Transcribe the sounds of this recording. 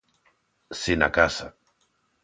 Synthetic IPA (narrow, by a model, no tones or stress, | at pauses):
sina̰kasa